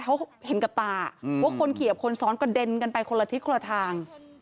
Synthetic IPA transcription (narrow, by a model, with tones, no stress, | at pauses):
kʰa˦˥whe˨˩˦nka˨˩p̚t̪aː˨˩pʰɔ˦˥kʰo˧nkʰi˨˩ə˦˩p̚kʰo˧nsɔː˦˥nkɔ˥˩de˧nka˧npa˧jkʰo˧la˧t̪ʰi˦˥t̪̚kʰo˧la˧t̪ʰaː˧ŋ